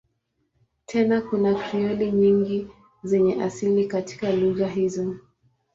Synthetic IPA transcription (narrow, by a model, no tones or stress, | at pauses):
tʰɛnakunakʰiɔliɲiŋɡi | zɛɲɛʔa̰silikati̥kaluɣaɦizɔ